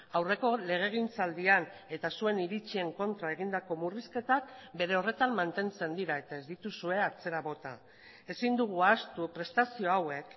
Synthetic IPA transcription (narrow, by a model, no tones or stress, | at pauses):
awre̞ko̞le̞ɣ̞e̞ɣ̞int͡sald̪iane̞t̪asue̞niɾit͡sie̞ŋko̞nt̪ɾae̞ɣ̞ind̪ako̞muriske̞t̪akbe̞ɾe̞o̞re̞t̪ammːant̪e̞nt͡se̞nd̪iɾae̞t̪ae̞zd̪it̪usue̞at͡se̞ɾaβo̞t̪a̰ | e̞sind̪uɣ̞uast̪upɾe̞st̪asio̞awe̞k